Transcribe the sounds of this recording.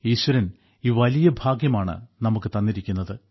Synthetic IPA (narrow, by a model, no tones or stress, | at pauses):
iːɕʋɐɾɐn | iːʋɐlijɐbʱaːɡjɐmaːɳɨ̰nɐmukːɨt̪ɐnːiɾikʲːunːɐðɨ